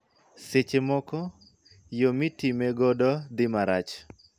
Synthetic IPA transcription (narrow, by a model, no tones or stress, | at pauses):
set͡ʃemɔkɔ | jomitimeɡɔdɔd̪ɪmaɾat͡ʃ